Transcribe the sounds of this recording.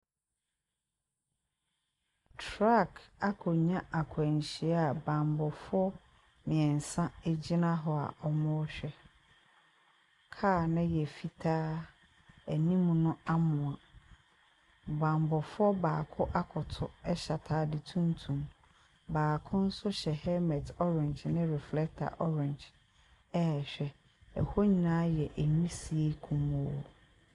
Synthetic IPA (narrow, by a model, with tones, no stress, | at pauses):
tʰɾa˦˨kʰa˦kʰɔ˨ɲã˦ʔa˨kʰʊ˨æ˨ɲ˨ɕi˨ɛ˦a˨bã˨mbɔ˨fʊ˦ɔ˦ | mɪ̃˨ɛ̃˨n˨sã˦e˦d͡ʑi˦nã˦ɦɔ˨a̰˨ʔɔ˨mʊ̃˦ɔ˦ɕᶣɛ˦ | kʰaː˦˨nã˦jɛ˨fi˦tʰaː˦ | æ˨nĩ˦mũ˨nʊ̃˦a˦mʊ̃˨a˨ | bã˨m˨bɔ˨fʊ˦ɔ˦baː˨kʰʊ˦ʔa˦kʰʊ˨tʰʊ˦ɛ˦ɕa˨tʰaː˦dɪ˨tʰũ˦ntʰũ˨m | baː˨kʰʊ̃˦n̩˦sʊ˦ɕɛ˨hɛ˦mɛ˨tɔ˦ɾɪ̃˨ɲd͡ʒnɪ̃˦ɾɛ˨flɛ˦k̚tʰa̰˨ʔɔ˦ɾɪ̃˨ɲd͡ʒ | ɛ˦˨ɕᶣɛ˨ | ɛ̰˨ho˦ɲĩ˨nã˦jɛ˨ʔæ˨nĩ˦si˨e˦kʰũ˨mu˨˦o˨